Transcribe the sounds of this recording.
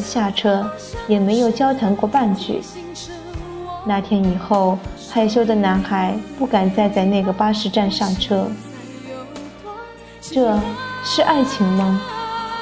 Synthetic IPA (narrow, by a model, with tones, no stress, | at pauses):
ɕja˥˩ʈ͡ʂʰɤ˥ | jɛ˨˩me˧˥ɪjo˨˩ʊt͡ɕjɑ˥ʊt̪ʰa˧˥ŋkwɔ˥˧pa˥˧nt͡ɕy̰˥˩˦ | na˧˥t̪ʰjɛ˥ni˨˩xo˥˩ʊpʰa˥˩ɪɕjo˥ʊd̪ə˨na˧˥nxa˨˧˩ɪpu˥˩ka˨˩nt͡sa˥˧ɪt͡sa˥˧ɪna˥˩ɡə˩pa˥ʂɻ̩˥˧ʈ͡ʂa˥˧nʂa˥˩ʈ͡ʂʰɤ˥ | ʈ͡ʂɤ˥˩ʂɻ̩˥˧ʔa˥˩ɪt͡ɕʰi˧˥ŋmə˧